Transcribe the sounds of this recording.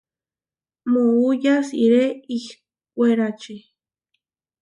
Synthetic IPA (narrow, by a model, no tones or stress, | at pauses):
moujasiɾeih | kʷeɾat͡ʃi